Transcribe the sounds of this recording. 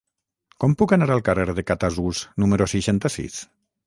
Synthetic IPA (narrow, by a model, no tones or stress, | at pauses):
kɔmpukanaɾalˠkareɾðekat̪azuznumeɾoseʃant̪asḭs